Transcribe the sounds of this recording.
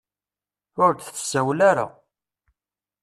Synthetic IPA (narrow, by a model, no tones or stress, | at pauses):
ʊɾd̪θθə̥sːæwlaɾa̰